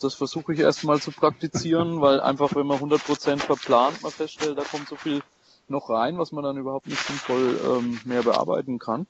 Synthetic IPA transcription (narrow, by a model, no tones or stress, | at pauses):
d̥asfɛɐzuːxəɪçʔḛːɐstmaːlt͡supʁ̥ak̚tit͡siːʁənvaɪlʔa̰ɪnfaχvɛnmɐnhʊndɐt̚pʁ̥ot͡sɛntfɛɐpl̥aːntmalfɛstʃtɛlt̚d̥aːkʰɔmtz̥oːfiːl | nɔχʁaɪnvasmandanʔyːbɐhaʊp̚tnɪçtz̥ɪnfɔlʔɛ̰ːmmeːɐbəʔa̰ɐba̰ɪtn̩kʰan